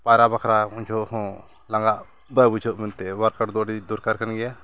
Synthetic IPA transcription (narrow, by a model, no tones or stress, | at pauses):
paɾabakʰɾauɲt͡ʃʰɔʔhɔ̃ | laŋɡaʔ | bajbud͡ʒʰɔʔmɛnt̪ɛwaɾkaʈd̪ɔɖid̪uɾkaɾkanɡɛja